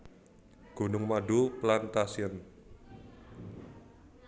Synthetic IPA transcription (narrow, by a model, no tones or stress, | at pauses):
ɡ̥o̤nʊŋmaɖuplant̪asiən